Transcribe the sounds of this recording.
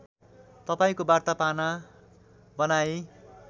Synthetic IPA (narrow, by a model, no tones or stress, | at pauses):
t̪ʌpaĩkobart̪apana | bʌnaj